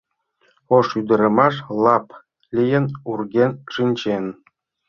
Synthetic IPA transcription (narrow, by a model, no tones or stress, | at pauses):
oʂyd̪ɘ̆ɾʲĕmɑʂlˠɑp | lʲijɘ̆nurɡʲenʃinʲt͡ɕen